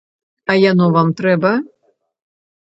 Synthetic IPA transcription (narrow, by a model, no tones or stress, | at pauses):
ɐjanɔvamt̪ɾɛbɐ